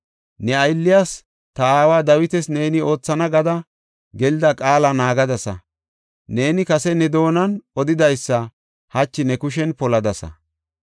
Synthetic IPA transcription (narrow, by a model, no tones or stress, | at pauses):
nɛɐjlːɪjas | t̪ɐaːwaːd̪ɐwɪt̪ɛsne̞ːnɪo̞ːt͡sːɐnɐɡɐd̪ɐ | ɡɛlɪd̪ɐkʼaːlɐnaːɡɐd̪ɐsɐ̰ | ne̞ːnɪkɐsɛnɛd̪o̞ːnɐnɔd̪ɪd̪ɐjsːɐ | hɐt͡ʃːɪnɛkʊʃ̬ɛnpɔlɐd̪ɐsɐ̰